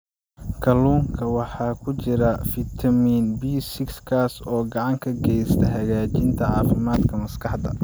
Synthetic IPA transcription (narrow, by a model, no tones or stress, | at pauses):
kʰɐluːŋkʰɐwɑħɑːkʰʊt͡ʃɪɾɐfɪt̪ʰɐmiːnbiːsɪkskʰaːsɔːɡɑʕɑŋkʰɐɡɛjst̪ʰɐɦɐɣaːt͡ʃɪnt̪ʰɐʕɑ̰ːfɪmaːd̪kʰɐmɐskʰɑħd̪ɐ̰